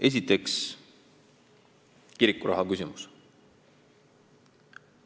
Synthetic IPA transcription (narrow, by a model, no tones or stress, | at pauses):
e̞s̬ʲit̪ːˑe̞ks | kiɾikːˑuɾʔɑ̰ɦɑkysʲimus